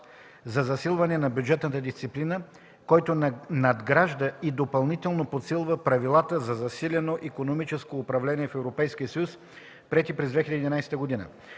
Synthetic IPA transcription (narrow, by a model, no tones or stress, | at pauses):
zɐzɐsilˠvɐnɛnɐbʲjud͡ʒɛt̪nət̪əd̪ist̪siplinə | kɔjt̪onɐd̪ɡɾaʒd̪əid̪opɐlˠnit̪ɛlˠnopot̪silˠvəpɾɐvilˠat̪əzɐzɐsilʲɛnoʔikonomit͡ʃɛskoːpɾɐvlɛniɛfɛvɾopɛjskiəsɐjus | pɾɛt̪ipɾɛzd̪vɛxʲilʲɛd̪id̪inajsɛ̥t̪əɡod̪inə̰